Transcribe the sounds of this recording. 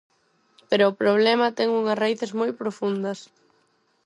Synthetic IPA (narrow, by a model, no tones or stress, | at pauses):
peɾʊːpɾoβ̞lɛmɐt̪ɛŋuŋɐsraiθezmojpɾofund̪ɐs